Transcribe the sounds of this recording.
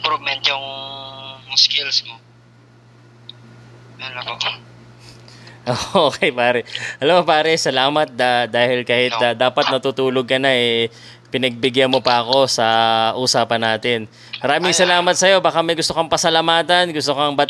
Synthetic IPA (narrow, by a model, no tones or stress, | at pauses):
pɾomɛnt̪jʊŋ | skɪlsmo | ɐnɐpo | ʔoːoːkɛjpaːɾɛʔɐlɐmːopaːɾɛsɐlaːmɐt̪̚d̪ad̪aːhɪlkaːhɪt̪d̪aːpɐt̪̚nɐt̪uːt̪uːloɡ̚kɐnaʔɛ | pɪnɐɡ̚bɪɡjɐnmopɐʔɐko̞sɐʔuːsaːpɐnːaːt̪ɪn | mɐɾaːmɪŋsɐlaːmɐt̪̚sɐjo̞baːkamɐjɡʊst̪okɐŋpɐsɐlɐmaːt̪ɐnɡʊst̪okɐŋbɐ